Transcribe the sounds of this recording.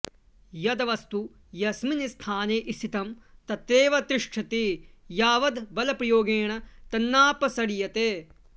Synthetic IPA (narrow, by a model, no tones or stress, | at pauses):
jɐd̪ɐʋɐst̪u | jɐsminist̪ʰaːneːʔist̪ʰit̪ɐmt̪ɐt̪ɾeːʋɐt̪ɾɪʂʈʰɐt̪ejaːʋɐd̪bɐlɐpɾɐjoːɡeːɳɐt̪ɐnːaːpɐsɐɽijɐt̪eː